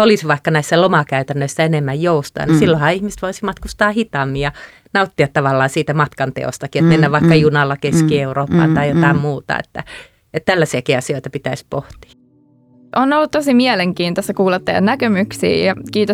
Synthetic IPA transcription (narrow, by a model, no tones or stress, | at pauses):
olisʋɑikːɑnæisːælomɑkæyt̪ænːøisːæenemːæjjoust̪ɑ̰ɑ̰nisilːohɑihmiset̪ʋoisimɑt̪kust̪ɑːhit̪ɑmːijjɑ | nɑut̪ːiɑt̪ːɑʋɑlːɑːsiːt̪æmɑt̪kɑnt̪ḛo̰st̪ɑkiet̪menːæʋʋɑikːɑjunɑlːɑkeskieuroːpːɑ̰ːnt̪ɑijot̪ɑˑemmuːt̪ɑ̰ḛt̪ːæ | et̪t̪ælːæsiækiɑsioit̪ɑpit̪æispoht̪i̥ɑ | ʔonolːut̪t̪osimiɛleŋkiːnt̪ostːɑkuːlɑt̪ːɑjɑ̰nækømyksḭːjɑkiːt̪o